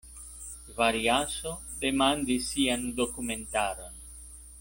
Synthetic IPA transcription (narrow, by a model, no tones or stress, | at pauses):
vaɾjaso | d̪emand̪isiand̪okumẽnt̪aɾon